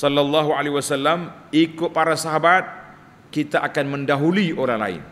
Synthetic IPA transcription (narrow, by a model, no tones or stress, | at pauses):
sɔlːalːɑɦualewasalːamikʊt̪̚paɾasaɦabat̪̚ | kit̪aʔakanməndaɦuliʔoɾaŋla̰ɪ̰n